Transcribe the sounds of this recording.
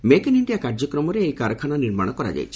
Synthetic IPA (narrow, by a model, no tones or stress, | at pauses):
mekeniɳɖijakaɾd͡ʒɔkɾɔmɔɾeejkaɾɔkʰananiɾma̰ɽ̃ɔkɔɾa̰d͡ʒa̰jt͡ʃʰi̥